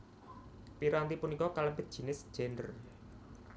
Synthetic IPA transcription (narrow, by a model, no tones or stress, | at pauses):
piɾant̪ipunikɔkaləmbɪt̪̚ʒ̥i̤nɪsd̥ʒ̥ɛndər